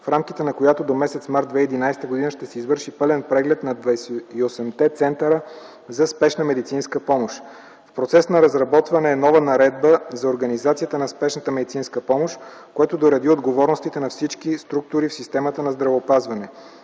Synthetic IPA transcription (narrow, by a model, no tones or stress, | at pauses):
fɾamk̟it̪ɛnɐkojat̪od̪omɛsɛt̪smaɾt̪d̪vɛid̪inajst̪əɡod̪inəʃt̪ɛsɛizvɤɾʃipɤlɛnpɾɛɡlɛt̪nɐd̪vɐsɛiosɛmt̪ɛt̪sɛnt̪əɾə | zɐspɛʃnəmɛd̪it̪sinskəpɔmoʃ | fpɾot̪sɛsnɐɾɐzɾɐbɔt̪vɐnɛːnɔvənɐɾɛd̪̚bəzɐoɾɡɐnizat̪sijət̪ənɐspɛʃnət̪əmɛd̪it̪sinskəpɔmoʃ | koɛt̪od̪oɾɐd̪iod̪ɡovɔɾnoʊst̪it̪ɛnɐfsit͡ʃk̟ist̪ɾuk̚t̪ʊɾifsist̪ɛmət̪ənɐzd̪ɾɐvəopazvɐnɛ